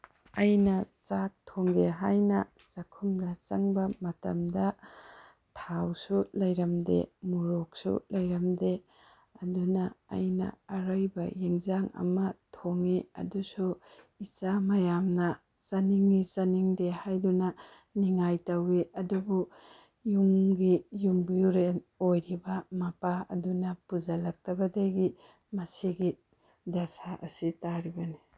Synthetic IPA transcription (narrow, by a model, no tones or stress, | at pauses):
ɐjnɐt͡ʃak̚tʰoŋɡeɦajnɐ | sɐkʰumdɐt͡ʃɐŋbɐmɐtɐ̰mdɐ | tʰawsulɐjɾɐmdḛmuɾok̚sṵlɐjɾɐmde | ɐdunɐ̰ːjnɐ̰ɐɾɯjbɐjeŋzaŋɐ̰mɐtʰoŋiɐ̰dusu | it͡ʃamɐjamnɐ | sɐniŋnisɐniŋdehajdunɐ | niŋajtɐwiɐdubu | juŋɡijumbiɾenojɾibɐmɐpaɐ̰dunɐpuzalɐk̚tɐbɐdajɡi | mɐsiɡi | dasaʔɐsitaɾibɐni